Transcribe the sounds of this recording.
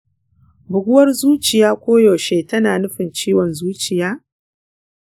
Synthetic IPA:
bʊ˨ɡʷʊ˦wɐ˦rzuː˦t͡ʃɪ˨jaː˦kʷoː˦joː˨ʃe˦tɐ˦naː˨nʊ˦ɸɪ˨nt͡ʃiː˦wɔ˨nzuː˦t͡ʃɪ˨jaː˦

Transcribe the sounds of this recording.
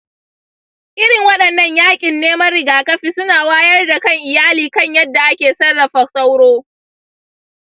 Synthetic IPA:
ʔɪ˦ɽɪ˨ŋwɐ˦ɗɐ˨nːɐ˦ɲjaː˦kʲʼɪ˨nːeː˦mɐ˦rːɪ˨ɡaː˨kɐ˦ɸi˦˨sʊ˦naː˨waː˦jɐ˦rda˨kɐ˦˨ŋʔɪ˨jaː˦liː˨kɐ˦ɲjɐ˦dːa˨ʔa˦kʲeː˨sɐ˦rːɐ˨ɸɐ˨sa˦wɽoː˦

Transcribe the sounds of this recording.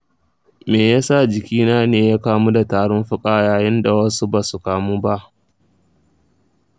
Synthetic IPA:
meː˨jaː˦sa˦˨d͡ʒɪ˨kʲiː˦naː˦neː˨jaː˦kaː˦mu˦da˨taː˨ɽʊ˦nɸʊ˦kʼaː˦jaː˨jɪ˦nda˨wɐ˦su˦ba˨su˨kaː˨muː˦ba˦ʔ

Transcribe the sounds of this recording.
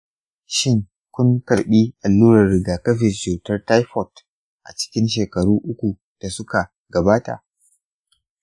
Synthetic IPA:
ʃɪ˦ŋ | kʷʊ˦ŋkɐ˨rɓiː˦ʔa˨lːuː˦ɾɐ˨rːɪ˨ɡaː˨kɐ˦ɸɪ˨t͡ʃuː˨tɐ˦rta˦jɸɔ˨t | ʔa̰˨t͡ʃɪ̥˦kʲɪ˦nʃeː˨kɐ˨ɽuː˦ʔʊ˦kʷu˨ | d̥a˨sʊ˦ka˨ | ɡɐ˨baː˦ta̰˨ʔ

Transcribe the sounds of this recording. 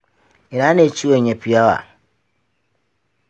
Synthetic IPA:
i˨ɾa˨˦ne˨t͡ʃi˦we˦˨ɲe˨pi˨a˦wa̰˨

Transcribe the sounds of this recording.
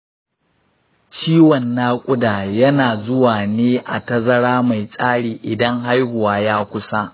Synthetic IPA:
t͡ʃiː˦wɔ˨nːaː˦kʷʼʊ˦daː˨jɐ˦naː˨zʊ˦waː˨neː˦ʔa̰˨tɐ˦zɐ˦ɽaː˦ma˨jsʼaː˦ɽiː˨ʔɪ˨dɐ˦ŋɦa˦jhʊ˨waː˦jaː˦kʷʊ˦sa˦ʔ

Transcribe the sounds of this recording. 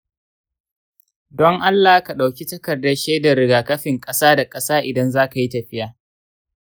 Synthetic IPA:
dɔ˦ŋʔa˦lːaː˨˦ka˨ɗa˨wkʲi˦tɐ˦kɐ˨rdɐ˦ʃeː˦da˨ɾɪ˦ɡaː˨kɐ˦ɸɪ˨ŋkʼɐ˦saː˦da˨kʼɐ˦saː˦ʔɪ˨dɐ˦nzaː˦ka˨ji˦tɐ˨ɸɪ˦jaː˨

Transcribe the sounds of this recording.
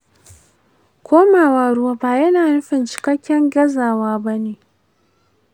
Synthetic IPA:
kʰʷoː˦maː˨waː˨ɽʊ˦waː˦baː˨jɐ˦naː˨nʊ˦ɸɪ˨nt͡ʃɪ̥˨kɐ˦kʲːɛ˦ŋɡʲɐ˦zaː˨waː˦bɐ˦neː˨

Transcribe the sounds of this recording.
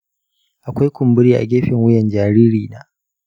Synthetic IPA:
ʔa˨kʷa˦jkʷʊ˨mbʊ˦ɾiː˦ʔa̰˨ɡʲeː˦ɸɪ˨ŋwʊ˦jɛ˨nd͡ʒaː˨ɾiː˦ɾiː˨naː˦

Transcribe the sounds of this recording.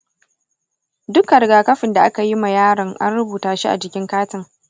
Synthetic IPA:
dʊ˦kːɐ˨ɾɡaː˨kɐ˦ɸɪ˨nda˨ʔa˦ka˨ji˦ma˨jaː˦ɽɐ˨ŋʔa̰˦nɽʊ˦buː˨taː˨ʃi˦ʔa̰˨d͡ʒɪ˨kʲɪ˦ŋkaː˦tɪ˦ŋ

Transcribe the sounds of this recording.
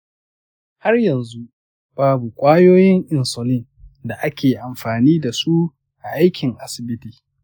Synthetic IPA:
ha˦rjɐ˨nzu˦ | b̥aː˦bu˨kʷʼaː˦joː˦jɪ˦ŋʔɪ˨nsɔ˨lɪ˦n | da˨ʔa˦kʲeː˨ʔa˨mɸaː˨niː˦da˨su˦ | ʔa˨ʔa˦jkʲʰɪ˨ŋʔa˦sɪ˨bɪ˦tiː˨

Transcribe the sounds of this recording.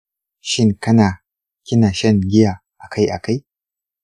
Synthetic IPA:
ʃɪ˦ŋkɐ˦naː˨ | kʲɪ˦na˨ʃɐ˦ŋɡʲɪ˦ja˨ | ʔa˨kʰa˦jʔa̰˨ka˦j

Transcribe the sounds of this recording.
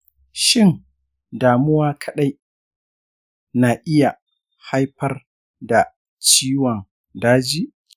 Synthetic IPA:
ʃɪ˦n | daː˨mʊ˦waː˦kʰɐ˨ɗa˦j | naː˨ʔɪ˦ja˨ | ha˦jɸɐ˦r | da˨ | t͡ʃiː˦wɔ˨ŋ | daː˦d͡ʒiː˦

